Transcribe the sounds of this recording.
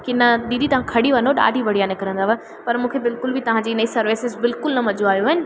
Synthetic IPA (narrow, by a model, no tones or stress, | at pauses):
kinɐɗ̪iːd̪it̪ɐʋ̤ãkʰɐɽiʋɐnoɗa̰ːɖʱiʋɐɽijaːnẽkɐɾə̃nd̪aʋɐ | pɐɾmũːkʰebɪlkʊlbɪt̪ɐʋ̤ãd͡ʑiːnɐisɐɾʋɪsɪzbɪlkʊlnɐmɐd͡ʑoaːjoɪnɪ̆